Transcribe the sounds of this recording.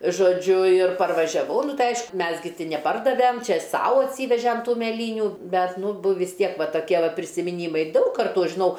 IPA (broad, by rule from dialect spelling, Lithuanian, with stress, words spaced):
ʒoːˈd͡ʒʲʊ ɪr pɐrʋɐʒʲɛˈʋɐʊ ˈnʊ ˈtɐɪ ˈɐɪʃkʊ ˈmʲɛs ɡʲɪ nʲɛˈpɐrdɐʋʲɛm ˈt͡ʃʲɛ ˈsɐʊ ɐtʲˈsʲiːʋʲɛʒʲɛm ˈtuː mʲɛˈlʲiːnʲuː ˈbʲɛt ˈnʊ bʊ ʋʲɪs ˈtʲiɛk ˈʋɐ toːˈkʲiɛ pʲrʲɪsʲɪmʲɪˈnʲiːmɐɪ ˈdɐʊk kɐrˈtuː ˈɐʃ ʒʲɪˈnɐʊ